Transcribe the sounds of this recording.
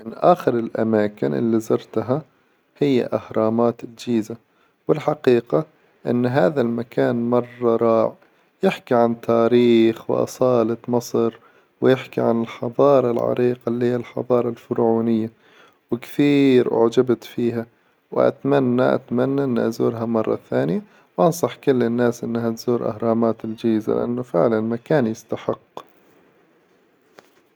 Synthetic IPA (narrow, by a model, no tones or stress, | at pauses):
mɪnʔaːxɪɾɪlʔa̰maːkɪnʔɪ̰lːizɑɾˤt̪ɦa | hɪjːa̰ʔahɾˤɑːmaːt̪ɪld͡ʒiːza | wɪlħɑqiːqa | ʔɪ̰nːɦaːðalmakaːnmɑrˤːɑɾˤɑːʕ | jɪħkiʕant̪ʰaːɾiːxwɪ̰ʔɑ̰sˤɑːlɑt̪mɑsˤɾ | wɪjɪħkiʕanɪlħɑðˤɑːɾˤɑlʕɑ̰ɾiːqɑlhiːalħɑ̰ðˤɑːɾˤɑlfʊɾʕuːnɪjːa | wɪkθiːɾʔʊ̰ʕd͡ʒabt̪fiːɦa | wʔa̰t̪manːaʔa̰t̪manːaʔɪnːʔazuːɾɦamɑrˤːɑ̰θaːnɪja | wʔɑnsˤɑħkʊlːɪnːaːsʔɪnːhat̪z̥uːɾʔa̰hɾˤɑːmaːt̪ɪld͡ʒaːza̰lɪ̰ʔa̰nːʊfɪʕlanmakaːnjɪst̪aħɪqː